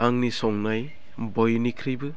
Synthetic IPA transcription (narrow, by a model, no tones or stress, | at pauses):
aŋnisɔŋnaj | bɔjnikʰɾibɯ